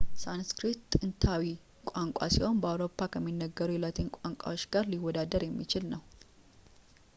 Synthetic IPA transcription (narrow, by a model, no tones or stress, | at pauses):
sanskɾit̪ʼːɨnt̪ʰawi | kʷʼaŋkʼa̰siho̞nbəawɾo̞pʰːakʰəmːinːəɡːəɾujɛlat̪ʰɨnkʷʼaŋkʷʼa̰wot͡ʃːɡaɾliwːɔd̪ad̪əɾjɛmːit͡ʃɪlnəw